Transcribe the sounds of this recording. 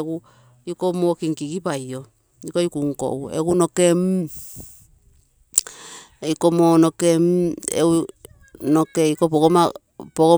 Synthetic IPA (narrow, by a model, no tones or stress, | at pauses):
ɡu | ukomokiŋkiɡipajo | jikoikuŋko̰ʔuḛɡunokem | eikomonokemḛu | nokeikopooma | poɡo